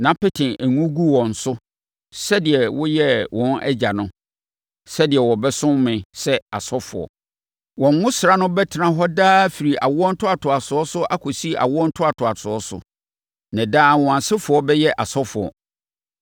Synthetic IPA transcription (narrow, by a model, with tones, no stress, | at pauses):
nã˨pɪ˦tʰɪ̃˨æ˨ŋũ˦ɡu˦wɔ̃˨n̩˨sʊ˦ | sɛ˦dɪ˨ɛ˨wʊ˦jɛ˦wʔɔ̃˨nʔɛ̰˦d͡ʑa˨nʊ̃˦ | sɛ˦dɪ˨ɛ˨wɔ̃˨bɛ˦sʊ̃˦mmɪ̃˨sɛ˦a˨sɔ˦fʊ̰˨ɔ̰˨ | wɔ̃˨ŋ˦ŋʊ̃˦sɾa˦nʊ̃˦bɛ˦tʰɪ˨nã˦ɦɔ˦daː˦fi˨ɾi˨ʔa̰˨wʊ˦ɔ˦n̩˦tʰʊ˦a˨tʰʊ˨a˨sʊ˨ɔ˦sʊ˦ʔa˦kʰɔ˨si˦˨a̰˨wʊ˦ɔ˦n̩˦tʰʊ˦a˨tʰʊ˨a˨sʰʊ˨ɔ˦sʊ̰˨ | nã˨daː˦˨wɔ̃˨ã˨sɪ˦fʊ˨˦ɔ˦bɛ˦jɛ˦ʔa˨sɔ˦fʊ˨ɔ̰˨